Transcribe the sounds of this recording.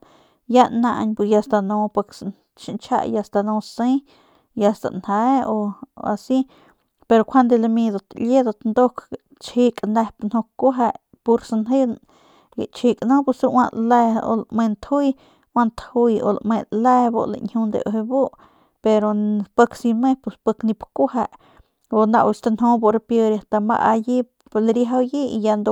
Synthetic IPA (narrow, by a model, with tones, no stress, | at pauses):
ja˦nã˧ʔɲbu˧ja˧st̪a˧nõ˧pa˧ks | ʃi˧nt͡ʃʰa̰˧ʔja˧st̪a˧nõ˧se˦ | ja˧st̪a̰˨nha˧o˧a̰˧si˦ | pe˧ɾo˧kʷʰa˦nd̪e˧la˧mĩ˧d̪o˧t̪lje˦d̪o˧t̪nd̪o˦k | t͡ʃhi˧kʼne˧pnho˧ku˦ɦa˧ʔ | pu˧ɾsnɦe˦ | ɡḛt͡ʃi˧kʼno˦pu˧suwa˧ʔla˧o̰˧lme˧nt̪ʰhu˦j | wa˧nt̪hujo̰˧lme˧le˦bo̰˧la̰nhu˧nd̪ḛʔoɦe˧bo˦ʔ | pe˧ɾopə˧ksi˧me˦puspə˧kni˧pku˦ɦa˧ʔ | o˧na˧ʔwu˧t͡ʃt̪a˧nɦo˦bo˧ɾpjə˧ɾja˧t̪a˧ma̰˧ʔa˧ji˦ | lɾeɦawji˦ijand̪o